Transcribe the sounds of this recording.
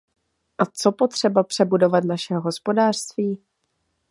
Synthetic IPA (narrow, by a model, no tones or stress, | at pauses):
ʔat͡so̞po̞t̪r̝̥ɛbapr̥ɛbudo̞vat̪naʃɛɦoɦo̞spo̞daːr̥st̪viː